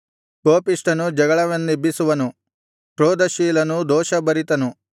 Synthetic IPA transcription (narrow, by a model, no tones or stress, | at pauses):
koːpiʂʈɐnud͡ʒɐɡɐɭɐʋɐnːibisuʋɐnu | ʈɾoːd̪ɐʃiːlɐnud̪ɔːʃɐbɐɾit̪ɐnu